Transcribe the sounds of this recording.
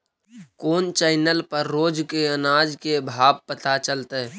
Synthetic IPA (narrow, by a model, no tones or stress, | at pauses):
koːnt͡ʃaɪnəlpəɾːoːd͡ʒkeənaːd͡ʒkebʱaːb̚pət̪at͡ʃəlt̪eɛ